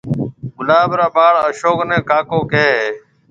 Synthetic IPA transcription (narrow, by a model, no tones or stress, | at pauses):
ɡʊlaːbɾaːbaːɭəʃoːknẽːkaːkoːkeːɦeː